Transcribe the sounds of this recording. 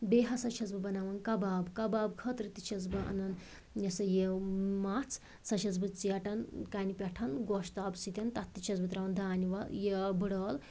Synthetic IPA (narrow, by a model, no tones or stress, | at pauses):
beɦɐsɐt͡ʃʰɐzbɐbɐnaːʋɐnkɐbaːbkɐbaːb̚kʰɐt̪ɾit̪i̥t͡ʃʰɐzbɐʔɐ̰nɐn | jɐsɐjemat͡sʰ | sɐʃɐt͡sbɨt͡siɐʈɐnkaːnipʲɐʈʰɐnɡoʃt̪aːbsit̪ʲɐnt̪ɐt̪ːit͡ʃʰɐzbɐt̪ɾaʋɐnd̪aːniʋɐljebɨɽɐːl